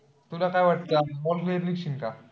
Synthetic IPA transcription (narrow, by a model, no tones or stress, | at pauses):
t̪ulakajʋaʈ̚t͡s̪amɔlkleɾlikʂinka